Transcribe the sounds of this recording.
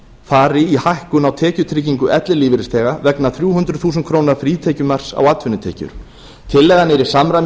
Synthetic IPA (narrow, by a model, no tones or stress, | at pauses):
faːɾɪihahkʏnawt̪ʰɛːcʏt̪ʰɾɪcːiŋkʏʔɛt̪lɪliːvɪɾɪst̪ʰɛːɣavɛknaθɾjuːɦʏnt̪ɾʏ̥θuːs̬nkʰɾoːwnaɾfɾiːt̪ʰejcʏmar̥sa̰wat̪vʏnʏt̪ʰeːcʏ̰ɾ̥ | t̪ʰɪlːɛːɣanɛɾɪ̥samɾa